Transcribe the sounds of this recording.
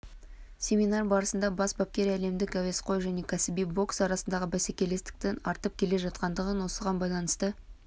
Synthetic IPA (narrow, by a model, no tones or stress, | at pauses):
sʲe̞minɑrbɑɾəsənd̪ɑbɑsbɑp̚kʲe̞ɾæle̞md̪ɪkæwe̞sqo̞jʒæne̞kʲʰæsɪbijbo̞ksɑɾɑsənd̪ɑʁəbæsekʲe̞le̞st̪ɪ̥k̚t̪enɑɾt̪əp̚kʲʰe̞le̞ʒɑt̪̚qɑnd̪əʁənwo̞səʁɑnbɑjlˠɑnəst̪ə